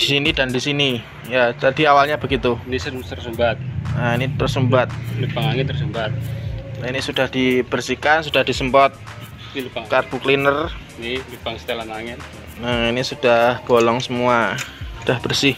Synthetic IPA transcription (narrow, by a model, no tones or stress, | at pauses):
d̥isinidandisini | jat̪adiawalɲabəɡit̪unisət̪ərsəmbat̪̚ainit̪ərsəmbat̪̚ləpaŋaŋɪt̪ːərsəmbat̪̚inisudahd̥ib̥ərsihkansud̥ahd̥isəmpɔt̪̚ | aŋkarb̥uklinər | nilupaŋst̪elanaŋɪt̪ | nainisud̥ahb̥olɔŋsəmuasud̥ahb̥ərsɪh